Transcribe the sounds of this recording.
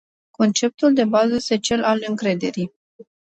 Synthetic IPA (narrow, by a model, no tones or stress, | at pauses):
ko̞nt͡ʃe̞p̚t̪uld̪e̞bazəje̞st̪et͡ʃe̞lalɨŋkɾe̞d̪e̞̰ɾij